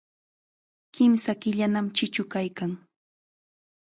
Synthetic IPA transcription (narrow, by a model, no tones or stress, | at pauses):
kɪmsakɪʎanamt͡ʃɪt͡ʃʊkajkaŋ